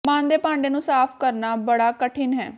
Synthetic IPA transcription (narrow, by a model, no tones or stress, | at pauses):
mãːnd̪eːpãːɳɖeːnũːsaːpʰkəɾnaːbəɽaːkəʈʰɪnɦɛ̰ː